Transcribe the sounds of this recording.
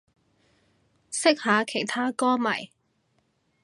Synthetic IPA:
sɪ˥k̚haː˨˧kʰe˨˩jt̪ʰaː˥kɔː˥mɐ˨˩j

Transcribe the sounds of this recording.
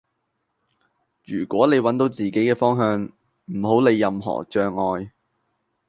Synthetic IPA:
jyː˨˩kʷɔː˨˥ne˨˧jwɐ˨˥nt̪o˨˧wt͡siː˨ke˨˥jkɛː˧fɔː˥ŋɦœː˨˧ŋ | m̩˨˩ho˨˥wne˨˧jːɐ˧mɦɔ̰ː˨˩t͡ʃœː˧ŋɔː˨˧j

